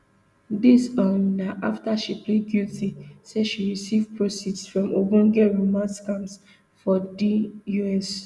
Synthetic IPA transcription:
disɔ̃ndaʔaftaʃipleɡutʰisɛʃiɹisivpɹosidsfɹɔ̃mobũnɡɛɹumaskãms | fɔdijuɛs

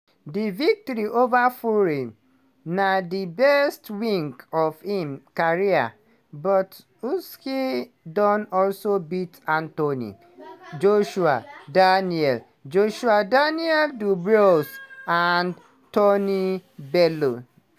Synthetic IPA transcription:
divik̚tɔɾiʔovafluɹĩn | nadibɛstwĩŋkɔvhĩmkaɹia̰ | bɔt | uski | dɔ̃nɔlsobitãntonḭ | d͡ʒoʃua̰daniɛl | d͡ʒoʃuadaniɛldubɹosan | tonibɛlo

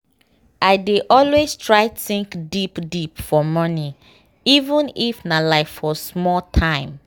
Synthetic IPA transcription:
ʔaɪdeʔɔlwestʰɹaɪtθĩŋkdipdipfɔmɔni | ivə̃nifnalaɪffɔsmɔltʰãɪ̃m

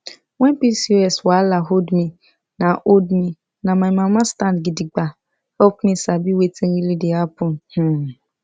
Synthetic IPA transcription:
wɛ̃npisiɛswalaɦodmi | naʔodmi | namajmãmastãnɡidiɡ͡ba | ɔpmisabiwetiɾilidiapʊn̩h̩

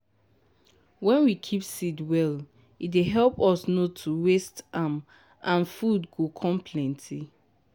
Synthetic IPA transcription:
wɛ̃nwikʰipsidwɛl | ideɦɛlpɔsnotʰuwestam | ʔãnfudɡokʰɔ̃mpʰlɛ̃ntʰi

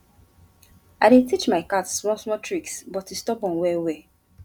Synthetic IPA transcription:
adetit͡ʃmaɪkatsɹɔ̃smɔtʰɹiksbɔtistɔbɔ̃nwewe

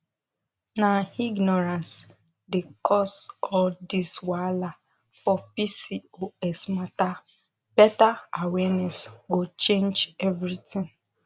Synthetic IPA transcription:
naiɡnɔɹãns | dekʰɔsɔdiswala | fɔpisioɛsmata | b̥ɛtaawɛnɛsɡot͡ʃẽnd͡ʒɛvɹitĩŋ

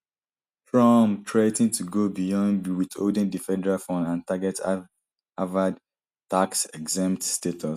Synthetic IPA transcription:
fɹɔmtʰɹaɪtĩŋtʰuɡobijɔ̃ndwito̰dĩndifɛdɛɹalfɔ̃nãntaɡɛt | avad | taksɛɡzɛ̃mtstetʰɔs

